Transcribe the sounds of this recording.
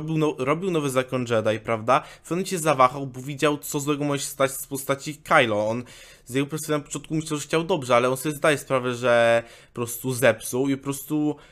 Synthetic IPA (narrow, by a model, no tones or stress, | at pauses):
bʲiwnɔɾɔbʲiwnɔvɛzakɔnʐɛd̪aipɾavd̪afɔnt͡ɕɛzavaxawbɔvʲjid͡ʑawt̪sɔzw̪ɛɡɔmɔʐɛɕɛ̥st̪at͡ɕfpɔst̪at͡ɕikajlɔɔn | zjɛɡɔpɾɔsanpɔtɔ̃nt̪̚kumɘɕlɛwʐɛxt͡ɕawd̪ɔbʐɛalɛɔnsɔbʲɛzd̪ajɛspɾavɛʐɛpɔpɾɔst̪uzɛpsuwipɔpɾɔst̪u